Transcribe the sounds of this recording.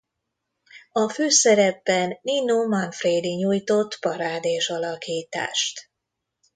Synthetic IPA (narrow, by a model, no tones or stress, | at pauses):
ɒføːsɛɾɛbːɛnːinoːmɒnfreːd̪iɲuːjt̪o̞t̪ːpɒɾaːd̪eːʃɒlɒkiːt̪a̰ːʃt̪